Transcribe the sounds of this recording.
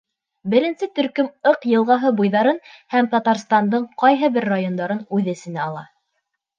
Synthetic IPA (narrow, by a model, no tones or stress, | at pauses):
bɘ̆ɾɘ̆nsɘt̪ɵ̆ɾkɵmɤqjɤ̆lˠʁɑɦɤbujðɑɾɤnhæmt̪ɑt̪ɑɾst̪ɑnd̪ɤɴqɑjɦɤbɘɾːajond̪ɑɾɤnʉðɘ̆sɘ̆næɑlˠɑ